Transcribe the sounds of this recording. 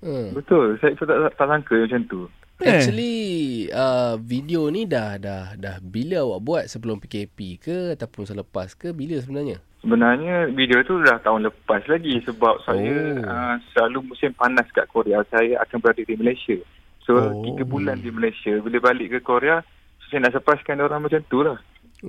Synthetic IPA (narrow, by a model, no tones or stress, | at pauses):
əbət̪ʊlsajt̪ut̪aʔat̪aʔsaŋkəjmat͡ʃant̪u | at͡ʃali | əvidionidahdahdahbiləawaʔbuat̪̚səbəlʊmpikepikəat̪awpʊnsələpaskəbiləs̬əbənarɲasəbənarɲavidiot̪ulaht̪aʊnləpaslaɡisəbap̚sajaəsəlalumũsɪmpanaska̰ʔkoɾeasajaʔa̰kanbəɾadədiməlajsia | sot̪ik̪əbulandiməlajsiabiləbalɪʔkəkoɾea | ssajənaʔsəpɾaskandioɾaŋmat͡ʃamt̪ulah